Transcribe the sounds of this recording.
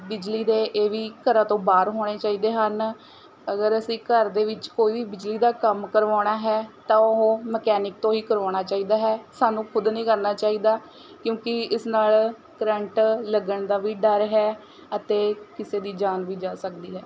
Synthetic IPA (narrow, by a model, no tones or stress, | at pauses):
bɪd͡ʒliːd̪eːʔeːʋiːkəɾãːt̪õːbaːɾɦoːɽ̃eːt͡ʃaːiːd̪eːɦən | əɡəɾəsĩːkəɾd̪eːʋɪt͡ʃkoːiːʋiːbɪd͡ʒliːd̪aːkəmkəɾʋaːɽ̃aːɦɛːt̪ãːʊɦõːməkɛːnɪk̚t̪õːɦiːkəɾaːɽ̃aːt͡ʃaːiːd̪aːɦɛːsaːnũːkʰʊd̪nĩːkəɾnaːt͡ʃaːiːd̪aː | kjõːkɪɪsnaːl | kɾəɳʈləɡəɳd̪aːʋiːɖəɾɦɛː | ət̪eːkɪseːd̪iːd͡ʒaːnʋiːd͡ʒaːsəkd̪iːɦɛː